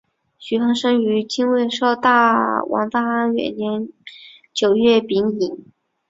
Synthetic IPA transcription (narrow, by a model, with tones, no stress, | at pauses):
ɕy˧˥xɑ˧˥ŋʂɤ˥ŋy˧˥t͡ɕi˥ŋwe˥˧ɪʂo˥˧ʊt̪a˥˩wʔɑ̰˧˥ŋt̪a˥˩a˥nɥɛ̰˨˩nnjɛ˧˥n | t͡ɕjo˨˩ʊɥɛ˥˩pi˧˥ŋi˨˩˦ŋ